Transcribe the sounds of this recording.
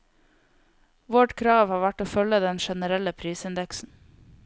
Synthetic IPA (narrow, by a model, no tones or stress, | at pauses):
ʋɔʈkʰɾɑːʋhɑːʋæʈoːfœləd̪ɛnʃɛnəɾɛləpʰɾiːsɪnd̪ɛksn̩